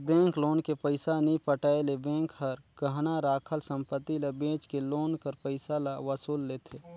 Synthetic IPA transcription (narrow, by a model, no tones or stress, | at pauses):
bẽːŋkloːnkepəɪsanipəʈaelebẽːŋkɦəɾkəɦnaɾaːkʰəlsə̃mpət̪ːiləbẽːt͡ʃkeloːnkəɾpəɪsalaʋəsuːlːeːt̪ʰeː